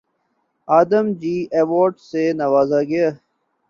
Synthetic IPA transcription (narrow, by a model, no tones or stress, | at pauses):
aːd̪əmd͡ʑiːʔeːʋoːɾɖsenɐʋaːzaɡɐjaː